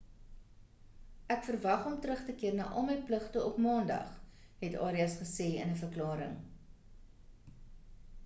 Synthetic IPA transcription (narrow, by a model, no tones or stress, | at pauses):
ʔækfərvɐχɔmtɾəχtəkiərnɑ̰ːʔɔlˠməjpləχtəɔpmɑːndɐ̰χɦɛtɑ̰ːɾiɐsχəseːə̰nəfərklɑːɾə̰ŋ